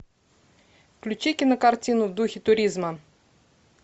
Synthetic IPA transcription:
klʲut͡ɕikʲɪnəkartʲinʊvd̪uxʲɪt̪ʊɾʲizma

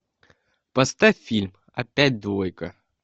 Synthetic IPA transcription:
pɐst̪afʲfʲilʲm | ɐ̰pʲæt̚ʲd̪vojkɐ

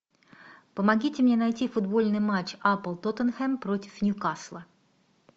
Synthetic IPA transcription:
pəmɐɡʲitʲɪmnʲe̞nɐjtʲifʊd̪bo̞lʲnɨjmat͡ɕapəlˠt̪ot̪ənxɛmpɾotʲɪ̥fnʲʊkaslˠə

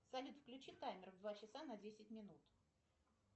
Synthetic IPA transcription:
sɐlʲut̪fklʲʉt͡ɕit̪ajmʲɪrvd̪vat͡ɕɪsanɐdʲesʲɪt̚ʲmʲɪnut̪

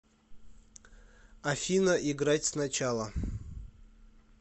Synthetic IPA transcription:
afʲinəʔiɡɾatʲsnat͡ɕalˠə

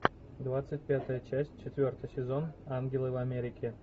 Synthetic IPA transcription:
d̪vat̪sɨt̚ʲpʲat̪əjət͡ɕæsʲt͡ɕet̪ʲvʲort̪əjsʲezonɑnɡʲelˠəvamʲeɾʲikʲʰe

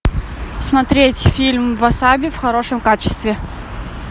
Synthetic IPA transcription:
smɐt̪ɾʲetʲfʲilʲmvɐsabʲɪfxɐɾo̞ʂəmkat͡ɕɪ̥st̪vʲɪ

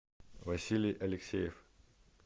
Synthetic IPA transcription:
vɐsʲilʲɪjʔɐlʲɪksʲejɪf

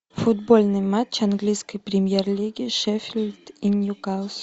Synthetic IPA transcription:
fʊd̪bolʲnɨjmat͡ɕanɡlʲijskəjpɾʲɪmʲjerlʲiɡʲɪʂɛfʲɪlʲt̪ɪnʲjʊkas

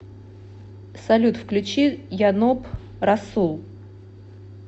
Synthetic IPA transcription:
sɐlʲut̪fklʲʉt͡ɕijanop | rɐsulˠ

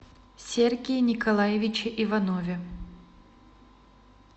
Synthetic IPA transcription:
sʲerɡʲejnʲɪkɐlˠajɪvʲɪt͡ɕɪʔivɐnovʲɪ

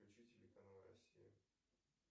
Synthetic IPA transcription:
ʊt͡ɕitʲɪlʲɪkɐnalˠɾɐ̰sʲijɪ̰

